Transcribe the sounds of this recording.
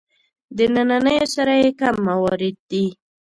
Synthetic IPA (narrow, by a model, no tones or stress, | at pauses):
d̪ənananəjosaɾajekamːawɑɾɪd̪̚ːi